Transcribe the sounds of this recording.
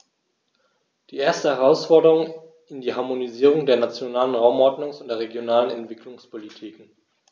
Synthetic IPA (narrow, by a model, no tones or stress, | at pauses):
d̥iːʔeːɐstəhɛʁ̞aʊsfɔɐdəʁʊŋ | ɪndiːɦaɐmoniziːʁ̞ʊŋdeːɐnat͡sjonaːlənʁaʊmʔɔɐdnʊŋsʊntd̥eːɐʁeɡjonaːlənɛ̰ntv̥ɪklʊŋspʰolitʰiːkŋ̩